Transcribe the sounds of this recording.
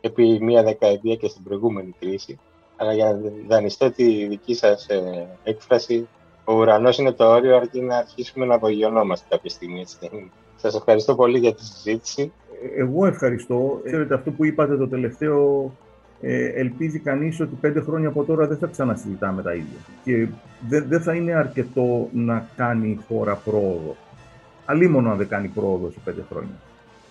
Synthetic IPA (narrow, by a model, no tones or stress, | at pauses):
epimiɐðe̞kɐet̪iɐcest̪ibɾo̞iɣume̞nikɾisi | ɐlɐʝɐnɐðɐnist̪o̞t̪iðicisɐsekfɾɐsi | o̞uɾɐno̞sine̞t̪o̞o̞ɾioɐɾcinɐːɾçisume̞nɐvoʝio̞no̞mɐst̪e̥kɐpçest̪iɣmisei | sɐse̞fxɐɾist̪o̞po̞liʝɐt̪isizit̪i̥si | eɣo̞e̞fxɐɾist̪o̞eeɾe̞t̪e̞ɐft̪o̞puipɐt̪e̞t̪o̞t̪e̞le̞ft̪e̞o̞ | ḛelpizikɐniso̞t̪ipe̞nd̪e̞xɾoɲɐːpo̞t̪o̞ɾɐðe̞θɐksɐnɐsizit̪ɐme̞t̪ɐ̰iðʝɐ̰ce̞ðeðe̞θɐine̞ɐɾce̞t̪o̞nɐkɐnixo̞ɾɐpɾo̞ːðo̞̰ | ɐlimo̞nonɐðekɐnipɾo̞ːðo̞se̥pe̞nd̪e̞xɾo̞̰ɲɐ̰